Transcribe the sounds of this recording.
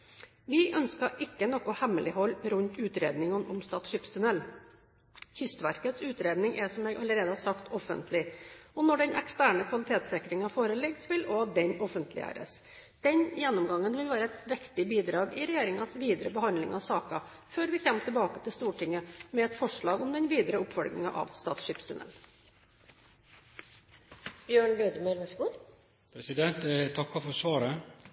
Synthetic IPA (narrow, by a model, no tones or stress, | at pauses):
ʋɪʔœnskɑɾʔɪkːənɔkːʊhɛməlɪhɔlːpɾʉnt̪ʉːt̪ɾḛːd̪nɪŋənʔʊmst̪ɑːt̪ʂɪpst̪ʰʉnɛl | çʏst̪ʋæɾkət̪sʉːt̪ɾeːd̪nɪŋʔɛsɔmɛːɡʔɑləɾeːd̪əhɑsɑkt̪ʰɔfə̰nt̪ʰlɪɔnɔɖɛnʔɛ̰kst̪æːɳəkʰʋɑlɪt̪ʰeːt̪sɪkɾɪŋəɑfoːɾəlɪɡsʋɪlɔd̪ɛnɔfənt̪ʰlɪ̰æ̰ːɾə̰s | d̪̥ɛnjɛnːɔmɡɑŋːənʋɪlʋæːɾəɛt̪ʋɛkt̪ɪbiːd̪ɾɑːɡɪɾɛjeːɾɪŋɑsʋiːd̪əɾəbəhɑnd̪lɪŋɑʋsɑːkɑ | føːɾʋɪçɛmt̪ʰəbɑːkət̪ʰɪlst̪uːʈʰɪŋːəmɛɛt̪fɔʂɭɑːɡɔmd̪ɛnʋiːd̪əɾəʊpfɔɾɡnɪ̰ŋɑ̰ʔɑ̰ʋst̪ɑ̰ːt̪sʂɪpst̪ʉnɛ̰l | b̥jøːɳbeːd̪əmɛlməsuːɾ | pʰɾɛsɪd̪ɛnt̪t̪ʰːɑkːɑfɔsʋɑːɾə